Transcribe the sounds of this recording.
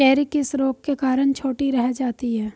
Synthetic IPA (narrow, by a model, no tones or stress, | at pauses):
ɛːɾɪkɪsɾoːk̚kekaːɾəɳ̃t͡ʃʰoːʈiɾɛɦɛd͡ʒaːt̪iɦɛː